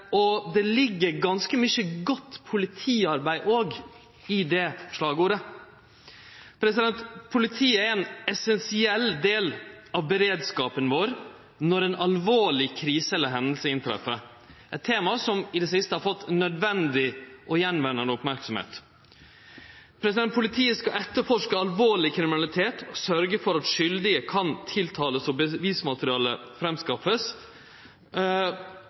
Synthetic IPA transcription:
ɔd̪ɛlɪɡːəɾɡɑnskəmʏçəɡɔt̪ːpʰʊlɪt̪ʰiːɑɾbæɪʔoːɡ | ɪd̪ɛʂlɑːɡuːɾə | pʰɾɛsɪd̪ɛnt̪pʰʊlɪt̪ʰiːəɛɾɛnɛsɛnsɪɛld̪eːlɑʋbɛɾeːd̪skɑːpənʋoːɾ | nɔɾɛnʔɑlʋoːɭɪkʰɾiːsəɛləɦɛnd̪əlsəɪnt̪ʰɾɛ̰fə | ɛt̪ʰːeːmɑsɔmɪd̪ɛsɪst̪əhɑɾfɔt̪ːnœd̪ʋɛnd̪ɪʔɔjɛnːʋɛnːənəʊpmæɾksɔmhḛːt̪ | pʰɾɛsɪd̪ɛn̚pʰʊlɪt̪ʰiːəskɑʔɛt̪ːəɾfɔʂkəɑlʋoːɭɪkʰɾɪmɪnɑlɪt̪ʰeːt̪ʰɔsœɾɡəfɔɾɑt̪ʂʏld̪ɪəkʰɑnt̪ʰɪlt̪ʰɑːləsɔbəʋiːsmɑt̪əɾɪɑːləfɾɛmskɑfəs

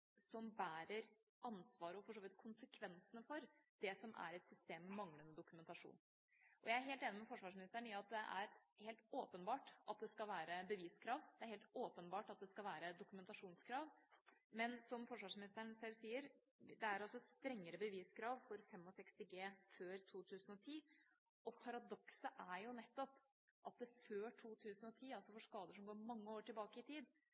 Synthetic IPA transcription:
sɔmbæːɾəɾ | ɑnsʋɑːɾəɔfɔʂoːʋɪt̪kʰʊnsəkʰʋɛnsənəfɔɾd̪̥ɛsɔmʔæ̰ɾɛt̪sʏst̪eːmːɛmɑŋlənəd̪ʊkʉmɛnt̪ɑʂṵːn | ʔɔjæɪæɾɦeːlt̪eːnɪmɛfɔʂʋɑːʂmɪnɪst̪əɳɪɑt̪̚d̪ɛʔæ̰ɾheːlt̪oːpənbɑːʈʔɑt̪̚d̪ɛskɑlʋæːɾəbəʋiːskʰɾɑːʋd̪ɛæɾheːlt̪oːpənbɑːʈɑt̪̚d̪ɛskɑlʋæːɾəd̪ʊkʉmɛnt̪ɑʂuːnskʰɾɑːʋmɛnsɔmfɔʂʋɑːʂmɪnɪst̪əɳsɛlsiːəɾ | d̪ɛæɾɑlsɔst̪ɾɛŋːəɾəbəʋiːskʰɾɑːʋfɔɾfɛmːɔsɛkst̪ɪɡeːføːɾt̪ʰuːt̪ʰʉːsn̩ɔt̪ʰiː | ʔɔpʰɑɾɑd̪ɔksəʔæɾjʊnɛt̪ːɔp | ʔɑt̪̚d̪ɛføːʈʰuːt̪ʰʉːsənɔt̪ʰiːɑlsɔfɔʂkɑːd̪əʂɔmɡoːɾmɑŋːəoːʈɪlbɑːkəɪt̪ʰiːd̪

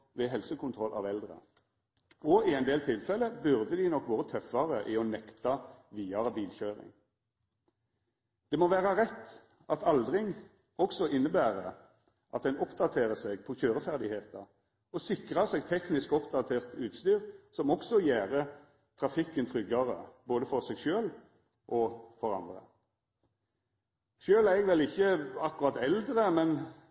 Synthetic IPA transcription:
ʋeːɦɛlsəkʊnt̪ʰʁɔlʔɑ̰ːʋɛld̪ʁə̰ | ɔɪɛɪnd̪eːlt̪ʰɪlfɛlːəbʉʁd̪əd̪ɪnɔkʋoːʁət̪ʰœfɑʁəʔiɔnɛkt̪ɑʋiːɑbiːlçøːʁɪ̰ŋ | d̪̥ɛːmoːʋæːʁɑʁɛt̪ː | ɑt̪ʰɑld̪ʁɪŋ | ɔksɔʔɪnːəbæːʁə | ʔɑt̪̚d̪ɛnɔpd̪ɑt̪ʰeːʁəseːɡpʰɔçøːʁəfæʁd̪ɪheːt̪ɑ | ɔsɪkʁəseːɡ̚t̪ʰɛknɪskɔpd̪ɑt̪ʰeːʁt̪ʉːt̪st̪yːʁsɔmɔksɔjæːʁə | t̪ʰʁɑfɪkːənt̪ʰʁʏɡɑʁə̰boːd̪əfɔʁsɛɡʃøːl | ʔoːfɔʁɑ̰nd̪ʁə̰ | ʃøːlæʁɛɡʋɛlɪçːəɑkʊʁɑt̪ɛld̪ʁəmɛn

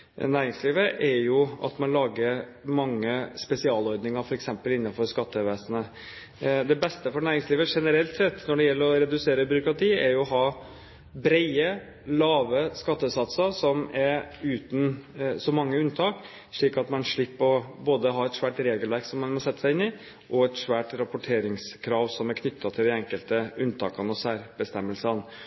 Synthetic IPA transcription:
næːɾɪŋsliːʋəʔɛɾjʊɑ̰t̪mɑnlɑːɡəɾmɑŋːəspɛsɪɑːlɔɾd̪nɪŋəɾfɔɾɛksɛmpəlɪnːɑfɔɾskɑt̪ːəʋeːsənə | d̪ɛbɛst̪əfɔɳæːɾɪŋsliːʋəʂɛnəɾɛlt̪sɛt̪ːnɔɖɛjɛlːəɾɔɾɛd̪ʉseːɾəbʏɾʊkɾɑt̪ʰiːæɾjʊɔɦɑː | bɾæɪə | lɑːʋəskɑt̪ːəsɑt̪səɾsɔmɛɾʉːt̪n̩sɔmɑŋːəʉnt̪ʰɑːk | ʂɭiːkɑt̪mɑnʂɭɪpːəɔboːd̪əɦɑɛt̪ʂʋæːʈɾeːɡəlʋæɾksɔmːɑnmɔsɛt̪ːəsæɪɪnːɪ | ʔɔɛt̪ʂʋæːʈɾɑpʊʈʰeːɾɪŋskʰɾɑːʋsɔmæɾkʰnʏt̪ʰːɑt̪ʰɪld̪ɪɛŋkəlt̪əʉnːt̪ʰɑ̰ːkɑnɔsæːɾbəst̪ɛmːəlsən

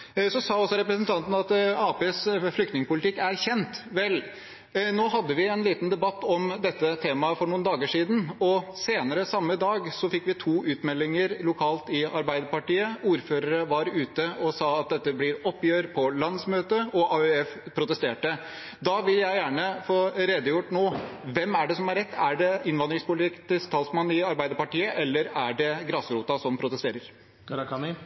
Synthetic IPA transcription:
sɔsɑːɔsːɔɾɛpɾəsnt̪ʰɑnt̪n̩ɑt̪ɑːpeːsflʏkt̪nɪŋəpʊlɪt̪ɪkːæɾçɛnt̪ʋɛl | noːɦɑd̪ːəʋɪɛnliːt̪nd̪ɛbɑt̪ːɔmd̪ɛt̪ːət̪ʰeːmɑfɔɳuːnd̪ɑːɡəʂiːd̪n̩ɔseːnəɾəsɑmːəd̪ɑːɡsɔfɪkːʋɪt̪ʰuːʔʉːt̪mɛlːɪŋəɾlʊkʰɑːlt̪ɪɑɾbæɪd̪əpɑʈiːəuːɾføːɾəɾəʋɑɾʉːt̪əɔsɑːɑt̪̚d̪ɛt̪ːəblɪɾɔpːjøːɾpʰɔlɑnd̪smøːt̪əɔʔɑʉɛfpʰɾʊt̪əst̪eːʈə | d̪ɑʋɪljæɪjæːɳəfoːɾeːd̪əjʊʈːnoːʋɛmæɖɛsɔmæɾɛt̪ːæɖɛɪnʋɑnd̪ɾɪŋspʊlt̪ɪkt̪ʰɪst̪ʰɑːlsmɑnːɪɑɾbæɪd̪əpɑʈiːəʔɛlːəɾæɖɛɡɾɑːsəɾuːt̪ɑsɔmpʰɾʊt̪əst̪eːɾəɾ | kʰɑɾɑkʰɑnɪ

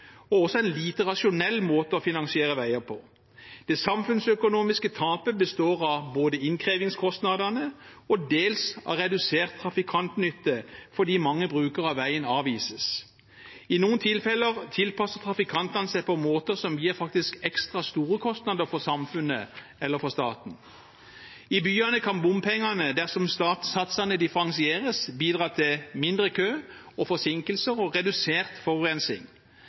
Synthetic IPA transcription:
ɔɔsɔæɪnliːt̪əʁɑʂʊnɛlːmoːt̪əɔfɪnɑŋsɪeːʁəʋæɪəpʰɔ | d̪̥ɛsɑmfʉnsœkʊnuːmɪskət̪ʰɑːpəbəst̪oːʁɑboːd̪əɪnkʰʁeːʋɪŋskʰɔst̪nɑd̪ɑnəɔd̪eːlsɑ̰ʁɛd̪ʉseːʁt̪ʰːʁɑfɪkʰɑnt̪nʏt̪ːəfɔd̪iːmɑŋːəbʁʉːkəʁɑʋʋæɪənɑːʋiːsəs | ɪnuːənt̪ʰɪlfɛləʁt̪ʰɪlpɑsəʁt̪ʰʁɑfɪkʰɑnt̪ɑnəsæɪpɔmoːt̪əʁsɔmjiːʁfɑk̚t̪ɪskɛkst̪ʁɑst̪uːɾəkʰɔst̪nɑd̪əʁfɔʁsɑmfʉnə | ɛlːəfɔʁst̪ɑ̰ːt̪n̩ | ɪbyːɑnəkʰɑnbʊmpʰɛŋːɑnəd̪æʁsɔmst̪ɑt̪sɑt̪sɑnəd̪ɪfəɾɑŋsɪeːʁəsbiːd̪ʁɑːt̪ʰɪlmɪnd̪ʁəkʰøː | ɔfɔsɪŋkəlsəʁɔʁɛd̪ʉseːʁt̪fɔʁʉʁɛnsɪ̰ŋ

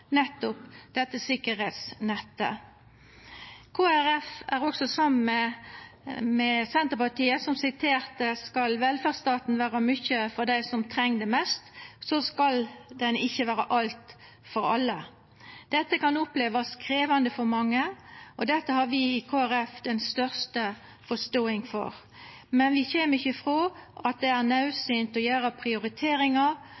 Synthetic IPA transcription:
nɛt̪ːʊpd̪̥ɛt̪ːəsɪkəɾheːt̪snɛt̪ːə̰ | kʰoːæɾɛfæɾɔksɔsɑmənɛ | mɛsɛnt̪əʁpɑʈ̪iːəsɔmsɪt̪ʰeːɾt̪əskɑlʋɛlfæʁst̪ɑːt̪nʋæːɾəmʏçəfɔɾd̪æɪsɔmt̪ʰɾɛŋːd̪ɛmɛst̪sɔskɑld̪ɛnɪçːəʋæːɾəʔɑlt̪ | fɔɾɑ̰lːə | d̪̥ɛt̪ːəkɑnɔpleːʋɑskɾeːʋɑnd̪əfɔɾmɑŋːəʔɔd̪ɛt̪ːəhɑɾʋɪɪkʰoːæɾɛfd̪ɛnst̪œʁst̪ə | fɔʂt̪oːɪŋfɔ̰ɾ | mɛnʋɪçemɪçːəfɾoːʔɑt̪̚d̪ɛæɾnɑʉsyːnt̪ɔjøːɾəpʰʁɪʊɾɪt̪ʰeːɾɪŋɑ

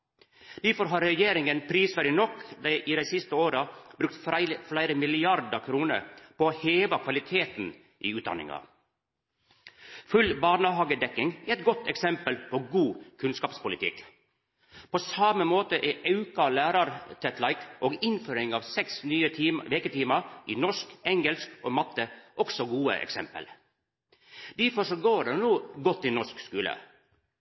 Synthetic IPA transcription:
d̪̥æɾfɔɾɦɑːɾɾɛjeːɾɪŋənpʰɾiːsfæɾɖɪnɔkd̪ɛɪʔid̪æɪsɪst̪əoːɾɑbɾʉk̚t̪flæɪɾəmɪlɪɑɾd̪əkʰɾuːnə̰ɾpoːoːheːʋɑkʰʋɑlɪt̪ʰeːt̪n | ʔḭːʉːt̪d̪ɑ̰nɪ̰ŋɑ̰ | fʉlbɑːnəɦɑːɡəd̪ɛkːɪŋɛt̪̚ɡɔt̪ːɛksɛmpəlpʰoːɡuːkʰʉnskɑːpspʊlɪt̪ʰɪ̰k | pʰoːsɑməmoːt̪əʔɛʔɑʉkɑlæːɾɑɾt̪ʰɛt̪lɑɪkʔoːɡɪnføːɾɪŋɑːʋsɛksnyːət̪ʰiːmʋeːkət̪ʰiːmɑɾʔiːnɔʂkɛŋəɛlskoːmɑt̪ːəʔɔksɔɡuːə̰ʔɛ̰ksɛmpə̰l | d̪̥æɾfɔʂɔɡoːɖenuːɡɔt̪ːɪnɔʂkskʉːlə̰

